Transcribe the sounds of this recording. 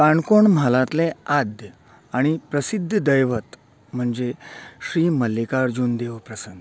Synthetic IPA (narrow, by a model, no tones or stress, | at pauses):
kaɳkoɳmalãt̪lead̪ʱjə | aɽ̃ipɾəsid̪ʱːd̪əjʋət̪ | m̤əɳd͡zeɕɾiːməlːikaɾd͡ʑuːnd̪eʋpɾəsənd̪